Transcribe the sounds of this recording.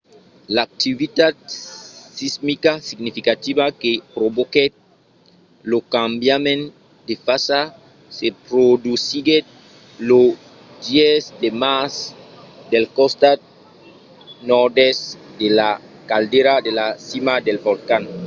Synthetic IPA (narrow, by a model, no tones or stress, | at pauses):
laːk̚t̪iβit̪at̪̚ | sizmikasiɡnifikat̪iβakepɾoβoket̪̚ | lokambjamẽn | d̪efasa | sepɾod̪usiɡet̪̚ | lo | d̪jesd̪emas | d̪elkost̪a | nɔɾdesd̪ela | kald̪eɾad̪elasimad̪elbolkan